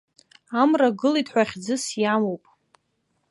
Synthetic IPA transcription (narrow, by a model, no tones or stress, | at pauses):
amraɡɨlitħʷaχʲd͡zɨsjamowpʼ